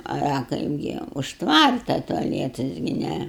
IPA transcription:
ɐ ɐ ˈkɐɪbʲɡʲɪ ʊʃ ˈtʋɐrtɐ tʊɐˈlʲiɛtɐs ɡʲɪ ˈnʲæ

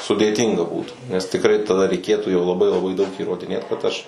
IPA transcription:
sʊdʲeːˈtʲiːŋɡɐ ˈbuːtuː nʲɛs tʲɪkˈrɐɪ tɐˈdɐ rʲɛɪˈkʲeːtuː jɛʊ lˠɐˈbɐɪ lˠɐˈbɐɪ dɐʊk iːroːdʲɪˈnʲeːt kɐt ˈɐʃ

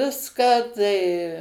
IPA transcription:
ˈʋʲɪskɑː tɐɪ

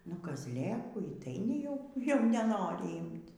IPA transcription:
nʊ kɐzʲˈlʲeːkuː iː tɐɪ nʲɛˈjɛʊ jɛʊ nʲɛˈnoːrʲɪ ˈiːmt

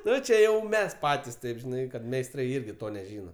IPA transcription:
ˈnʊ t͡ʃʲɛ ˈjɛʊ ˈmʲɛs ˈpɑːtʲɪs ˈtɐɪp ʒʲɪˈnɐɪ kɐt mʲɛɪsˈtrɐɪ ˈɪrʲɡʲɪ ˈtoː nʲɛˈʒʲiːnɐ

